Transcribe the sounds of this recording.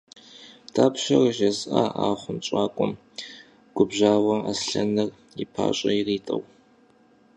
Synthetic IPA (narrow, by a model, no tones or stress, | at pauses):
tʰaːpʃɐrʒɐzʔaʔaːχʷʊnt͡ʃʷʼaːkʷʼʊm | ɡ̥ʷʊbʑaːwɐasɬɐnɨr | ipʰa̰ːɕʼɐiriːtʼɐw